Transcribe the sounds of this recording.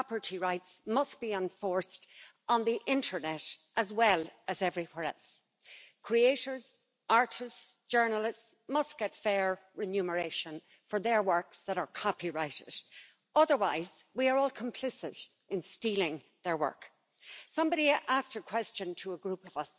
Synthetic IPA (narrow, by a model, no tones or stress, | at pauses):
pə˞ɾʰiɹaɪtsmʌstb̥iə̃nfɔɹst | n̩ðiʔɪ̃ntʰə˞nɛɾʔəzwɛləzɛvɹiwɛɹɛ̰lˠs | kʰɹ̥ieɪɾə˞z̥ | ʔaɹɾɪstsd̥ʒ̥ɜ˞nəlɪstsmʌsɡ̥ɛtfɛɹɹɪnjʉmə˞eɪʃə̃n | fə˞ðə˞wɜ˞ksðəɾə˞kʰɑpiɹaɪɾɪ̰d̥ | ʌðə˞waɪzwiə˞ɔlˠkʰə̃mpʰl̥ɪsɪ̰ɾ | ɪ̃nstilɪ̃ŋ | ðə˞wɜ̰˞k | sʌ̃mbɑɾiʔasktəkʰw̥ɛst͡ʃə̃ntʰəəɡɹupʌvʌs